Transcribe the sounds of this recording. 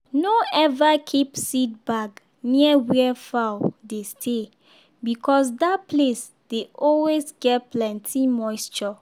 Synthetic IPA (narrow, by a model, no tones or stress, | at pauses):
noɛvakʰipsit̚bak | niəwɛfaʊdestʰe | bikʰɔs̬dat̚ples | d̥eɔlwesɡɛtplɛ̃ntʰĩmɔɪst͡ʃɔ